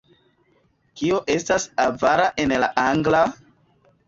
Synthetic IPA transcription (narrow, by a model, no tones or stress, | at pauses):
kioʔe̞stasavaɾaʔenla̰ʔaŋɡla